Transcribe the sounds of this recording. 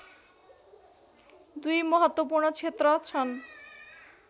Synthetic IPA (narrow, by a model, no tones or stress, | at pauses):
d̪ujmɔɦot̪ːopuɾɳot͡ɕʰet̪ːɾoat͡ɕʰɔn